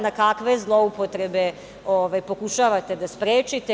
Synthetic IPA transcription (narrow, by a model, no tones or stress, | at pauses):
nakakʋe̞zlˠo̞upo̞t̪ɾe̞be̞ | oːʋajpo̞kuʃaʋat̪e̞d̪aspɾeːt͡ʃit̪e